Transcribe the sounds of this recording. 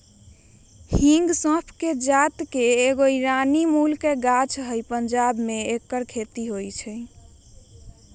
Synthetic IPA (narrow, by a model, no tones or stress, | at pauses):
hĩŋɡsə̃pʰked͡ʒat̪keːɡoiɾanimulkeɡat͡ʃɦəjpənd͡ʒabmeekːəɾkʰet̪iɦojt͡ʃʰɛ